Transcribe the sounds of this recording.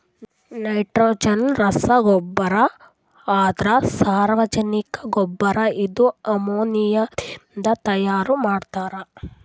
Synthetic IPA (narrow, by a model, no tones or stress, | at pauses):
nɐjʈɾoːd͡ʒɐnɾɐsɐɡɔbːɐɾɐ | aːt̪ɾɐsaːɾʋɐd͡ʒɐnikɐɡɔbːɐɾɐid̪uɐmoːnijɐnd̪ɐt̪ɐjaːɾumaːɖt̪aːɾɐ